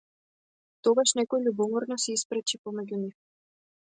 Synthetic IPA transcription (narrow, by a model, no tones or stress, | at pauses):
t̪ɔɡaʃnɛkɔjlʲubɔmɔɾnɔsɛispɾɛt͡ʃipɔmɛɟʲunif